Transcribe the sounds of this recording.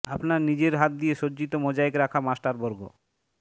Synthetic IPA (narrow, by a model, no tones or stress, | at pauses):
apnaɾnid͡ʑeɾɦat̪̚d̪ieʃod͡ʑd͡ʑit̪omɔd͡ʑaekɾakʰamasʈaɾbɔɾɡo̰